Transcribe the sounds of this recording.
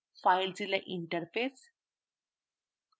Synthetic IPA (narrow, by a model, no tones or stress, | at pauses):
fajld͡zilaʔiɳʈəɾfes